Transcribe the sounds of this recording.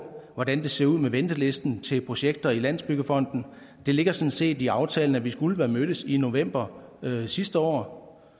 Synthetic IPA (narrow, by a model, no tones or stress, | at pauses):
ʋɒd̥ænd̥e̝se̝ɐuð̰ˠmeʋend̥əle̝sd̥n̩t͡sʰe̝lpʰʁo̝ɕeɡ̥̚d̥ɐilæn̰sb̥yɡ̥əfɒ̽n̰d̥n̩ | d̥e̝le̝ɡ̥ɐsɒ̽nse̝̰ːdiɑ̈ʊt͡sʰɛːln̩æʋisɡ̥uləʋæɐmøɾ̥əsino̝ʋem̰b̥ɐsisd̥əɒ̰ː